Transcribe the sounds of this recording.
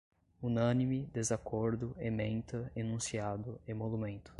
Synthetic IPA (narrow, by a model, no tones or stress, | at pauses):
unɐ̃nimɪd̪ezakoɾd̪ʊemẽnt̪ɐenũsiad̪ʊẽmolumẽnt̪ʊ̥